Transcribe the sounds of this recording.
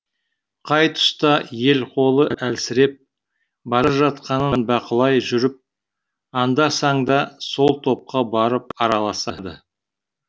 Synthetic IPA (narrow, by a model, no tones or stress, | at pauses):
qʰɑjt̪ʰʊ̥st̪ɑje̞lqʰo̞lˠəʔʔælsɪɾe̞p̚ | bɑɾɑʒɑt̪̚qɑnənbɑqəlˠɑjʒʏɾɪp̚ | ɑnd̪ɑsɑɴd̪ɑso̞lˠt̪ʰo̞p̚qɑbɑɾəp̚ɑɾɑlˠɑsɑd̪ə̰